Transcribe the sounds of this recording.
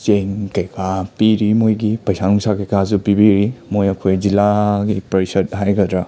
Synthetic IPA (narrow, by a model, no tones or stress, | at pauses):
seŋkɐjkʰapiɾimojɡipajsaŋsakɐjkazupibiɾimojɐkʰojzilaɡipɐɾisɐt̚ɦajɡadɾa